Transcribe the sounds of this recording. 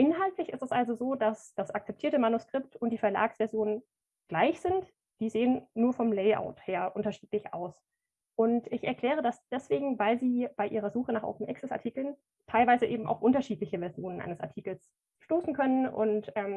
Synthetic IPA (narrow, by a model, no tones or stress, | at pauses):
ʔɪnɦaltlɪçɪstɛsʔalzozoːdasd̥asak̚t͡sɛptʰiɐtəmanuskʁ̥ɪp̚tʊnt̚d̥iːfɛɐla̰ːksv̥ɛɐzjoːnən | ɡ̥laɪçz̥ɪnt | d̥iːzeːənːuːɐfɔmlɛɪʔa̰ʊtheːɐʔʊntɐʃiːtlɪçʔa̰ʊs | ʔʊntɪçɛɐkl̥ɛːʁ̞ədasd̥ɛsv̥eːɡŋ̩vaɪlziːb̥aɪʔiːʁ̞ɐzuːxənaːχʔo̰ʊpm̩ʔɛ̰ksɛsaɐtʰiːkl̩n | tʰaɪlvaɪzəʔeːbm̩ʔa̰ʊfʔʊntɐʃiːtlɪçəvɛɐzjoːnənʔa̰ɪnəsa̰ɐtʰiːkl̩s | ʃtoːsn̩kʰœnənʊ̰ntʔɛːm